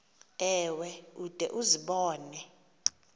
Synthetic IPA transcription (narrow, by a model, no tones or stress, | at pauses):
ɛwɛud̥ʼʱɛ̰ʔuziɓɔːnɛ